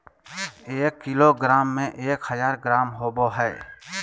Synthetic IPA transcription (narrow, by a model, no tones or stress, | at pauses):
eːkːɪloːɡɾaːmːẽʔeːkhəzaːɾɡɾaːmɦoːboɦɛː